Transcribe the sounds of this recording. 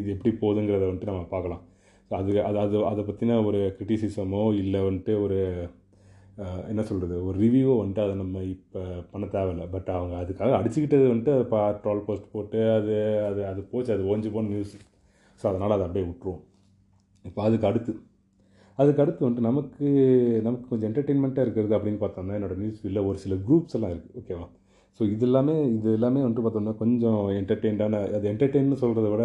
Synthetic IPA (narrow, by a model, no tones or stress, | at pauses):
ɪðɯɛpːɐɽipoːðɯŋɡɪɾɐðɐʋɐɳʈɯnɐmːɐpaːɾkɐlãː | soːɐðɯɐðɐðɯɐðɐpːɐt̪ːinaːɔɾɯkɪɾɪʈisɪsɐmõːɪlːɐʋɐɳʈːɯɔɾɯ | ɛnːɐsɔlrɐðɯɔɾɯɾɪʋjuːʋoʋɐɳʈɯɐðɐnɐmːɐɪpːpɐɳɐt̪ːaːʋɛlːɐbɐʈːɐʋɐŋɡɐːðɯkːaːɣɐɐɽɪt͡ʃːɯkɪʈːɐðɯʋɐɳʈːɯɐðɐpaʈɾoːlpoːsʈpoːʈːɯɐðɯɐðɐðɯpoːt͡ʃːɐðɯoːɐɲd͡ʒɯpoːnnjuːs | soːɐðɐnaːlɐðɯɐpɐɽijʊʈːɾɯõ | ɪpːoːɐðɯkːɐɽɯt̪ːɯ | ɐðɯkːɐɽɯt̪ːɯʋɐɳɖɯnɐmɐkːɯnɐmɐkːɯkɔɲd͡ʒɔ̃ɛɳʈɐɾʈeɪnmɛɳʈaːɪɾɯkːɪɾɐðɯɐpːɽɪnːɯpaːɾt̪ãːnd̪ãːɛnːoːɽɐnjuːsɪlːɐɔɾɯsɪlɐɡɾuːpsɛlːãːɪɾɯkːɯ̥oːkːeːʋaː | soːɪðɛlːaːmeːɪðɛlːaːmeːʋɐɳɖɯpaːɾt̪õnaːkɔɲd͡ʒɔ̃ɛɳʈɐɾʈeɪɳʈaːnɐɐðɯɛɳʈɐɾʈeɪnmːɯsɔlrɐðɯkɪːɽɐ